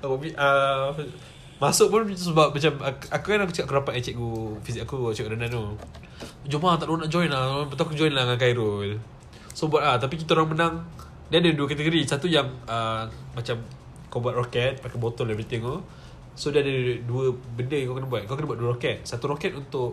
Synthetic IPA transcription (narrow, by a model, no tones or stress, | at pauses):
auiʔə | masʊʔ̚pʊnsəbap̚mat͡ʃamakukanakut͡ʃəkaʔkəɾapat̪̚at͡ʃɛʔkufisikakut͡ʃɛʔkudanano | d͡ʒumat̪aʔlonaʔd͡ʒɔjnlapət̪akud͡ʒɔjnlaŋak̬aiɾol | sobuat̪̚at̪apik̬it̪aoɾaŋmənaŋ | diadəduəkat̪əɡoɾisat̪ujaŋəmat͡ʃam | kawbuwat̪̚rokɛt̪̚pakabot̪ɔnɛbɾit̪ɪŋo | sodiadəduəbəndəkawkənabuat̪̚kakənəbuat̪̚duəɾɔkɛt̪̚sat̪uɾokɛt̪unt̪ʊʔ